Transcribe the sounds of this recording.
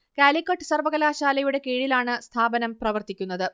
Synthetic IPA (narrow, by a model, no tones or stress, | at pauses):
kaːlikːɐʈːɨ̥sɐrʋɐɣɐlaːɕaːlɐjuɽe̞keːɻilaːɳɨst̪ʰaːbɐnɐmprɐʋɐrt̪ikʲːun̪ːɐðɨ